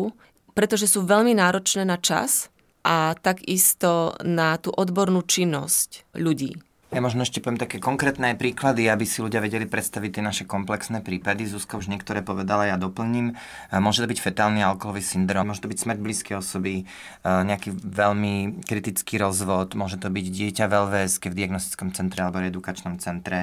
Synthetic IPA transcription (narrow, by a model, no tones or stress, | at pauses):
pɾɛt̪ɔʒɛsuːʋɛʎminaːɾɔt͡ʃnɛːnat͡ʃa̰s | ʔat̪aɡist̪ɔnat̪uːʔɔd̪bɔɾnuːt͡ʃinːɔscʎuɟḭː | jamɔʒnɔɛʃcɛpɔʋjɛmt̪akɛːkɔŋkɾɛːt̪nɛajpɾiːklad̪iabisilʲuɟɪaʋɛɟɛlipɾɛt̪st̪aʋic̚t̪ɪɛnaʃɛkɔmplɛksnɛːpɾiːpad̪izuːskɔuʒɲɪɛk̚t̪ɔɾɛːpɔʋɛd̪alajad̪ɔpl̩ɲiːm | mʊɔʒɛt̪ɔbicfɛt̪aːlnialkɔɦɔʋisind̪ɾɔːmʊɔʒɛt̪ɔbicsmɾɟbliːskɛjɔsɔbi | ɲɛakiʋɛʎmikɾit̪it͡skiːɾɔzʋɔt̪mʊɔʒɛt̪ɔbiɟɟɪɛcaʋɛlʋɛskɛvd̪iaɡnɔst̪i̥t͡skɔmt͡sɛnt̪ɾɛalɛbɔɛd̪ukat͡ʃnɔmt͡sɛnt̪ɾɛ